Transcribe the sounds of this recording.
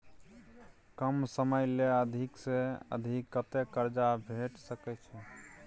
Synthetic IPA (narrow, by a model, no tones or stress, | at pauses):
kəmsəməjleəd̪ʱikseə̰d̪ʱikːət̪ekəɾd͡ʒabʱeʈsəkɛt͡ʃʰɛ